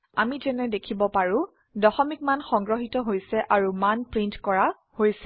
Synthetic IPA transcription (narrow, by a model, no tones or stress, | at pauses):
amitɛnɛdekʰibɔpaɹũ | dɔxɔmik̚manxɔŋɡɹɔɦitɔɦojsɛʔaɹumanpɹintkɔɹa | hojsɛ